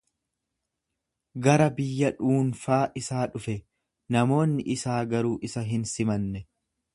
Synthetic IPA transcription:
ɡɐɾɐbɪjːɐᶑuːnfaːʔɪsaːᶑʊfɛ | nɐmo̞ːnːɪʔɪsaːɡɐɾuːʔɪsɐɦɪnsɪmɐnːɛ

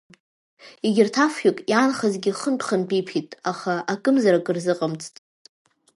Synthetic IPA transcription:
iɡʲɪrtʰafjikʼjanχazɡʲiχəntʷʰʼχanpʰʼijpʰitʼaχaakʼɨmzaɾakʼɨrzɨqʼamt͡sʰʼtʼ

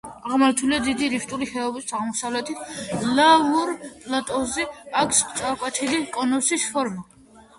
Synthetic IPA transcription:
aʁmaɾt̪ʰuliad̪id̪iɾift̪ʼuliχɛɔbisaʁmɔsavlɛt̪ʰit̪ʰlavuɾpʼlat̪ʼɔzɛakʰst̪sʼaɾkʼwɛt̪ʰilikʼɔnɔsisfʰɔɾma

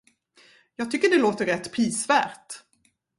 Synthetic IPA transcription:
jɑːɡ̚t̪ʏkːəɖɛloːt̪əɾɛt̪ːpʰɾiːsvæːɾʈ

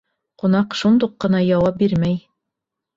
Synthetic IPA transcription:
qŭnɑqʃund̪uqːɤ̆nɑjɑwɑp̚biɾmæj

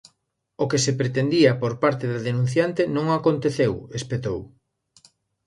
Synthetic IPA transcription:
okesepɾet̪end̪iɐpoɾpaɾt̪eðaðenũn̟θjant̪enõŋakont̪eθewespet̪ow

